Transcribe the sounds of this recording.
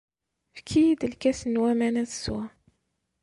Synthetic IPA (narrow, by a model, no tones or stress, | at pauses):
fkʰijid̪əlkæsənwæmænæðswæ